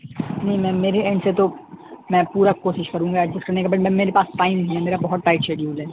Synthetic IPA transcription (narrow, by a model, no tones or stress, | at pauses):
nɐĩmɛ̃ːmeːɾeẽɳɖset̪omɛ̃puːɾakoːʃɪʃkɐɾũːŋɡaɛɪskɐɾnekabɐʈmɛ̃meːɾepaːsʈaːɪmɦɛmeːɾabɐɦɔt̪̚ːaːɪʈʃeːɖijuːlɦɛː